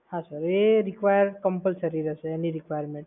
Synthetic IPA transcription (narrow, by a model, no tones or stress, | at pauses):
hãsəɾeɾikʋajəɾkəmpəlsəɾiɾəsəeniɾikʋajəɾmẽɳʈ̚